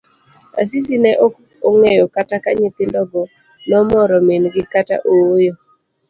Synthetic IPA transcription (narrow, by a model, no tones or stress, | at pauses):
a̰s̬is̬inɛʔo | oŋejokatakaɲɪt̪ɪndɔbɔ | nɔmɔɾɔmenɡɪkata̰ʔowojo